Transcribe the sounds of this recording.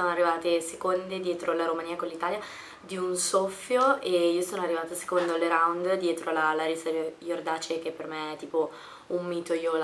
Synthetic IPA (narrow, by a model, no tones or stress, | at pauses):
soːnoarːivaːt̪esekond̪ed̪jɛːt̪ɾolaɾomaniːakonlːit̪aːlja | d̪iunsofːjoeiːosoːnoarːivaːt̪ase̥kond̪oleɾawnd̪d̪jɛːt̪ɾolalaɾisajord̪aːt͡ʃek̟epːermeɛt̪ːiːpo | ummiːt̪ojol